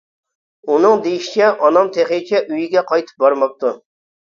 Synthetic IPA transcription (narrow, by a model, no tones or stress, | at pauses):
unɨŋd̪ejiʃi̥t͡ʃʰɛʔɑnɑmt̪ʰeχet͡ʃʰɛʔyjiɡʲɛqʰɑjt̪ʰɨ̥p̚bɑɾmɑp̚t̪ʰu